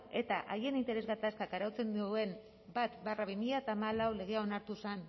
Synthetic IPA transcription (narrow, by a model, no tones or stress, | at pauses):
e̞t̪aʔaje̞nint̪e̞ɾe̞zɣat̪askakaɾawt͡se̞nd̪uue̞m | bat̪baraβimiʎat̪aːmalawle̞ɣ̞e̞ao̞naɾt̪usan